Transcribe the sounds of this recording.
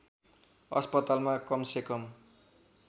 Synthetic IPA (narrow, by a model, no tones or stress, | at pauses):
ʌ̰spʌt̪almakʌmsekʌm